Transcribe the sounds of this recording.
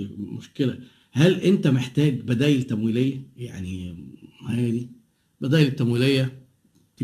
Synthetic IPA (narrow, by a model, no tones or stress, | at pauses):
mo̰ʃkelæ | hælʔent̪æmeħt̪æːɡbæd̪æːjelt̪ːæmwiːlejːæjaʕni | hæːd̪i | bæd̪æːjelet̪ːæmwiːlejːæ | t̪